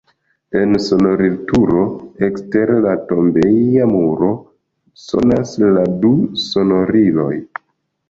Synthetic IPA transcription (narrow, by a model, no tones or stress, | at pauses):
e̞nso̞no̞ɾiltuɾo̞ekste̞ɾlato̞mbeamuɾo̞ | so̞̰nasladuso̞no̞ɾilo̞̰j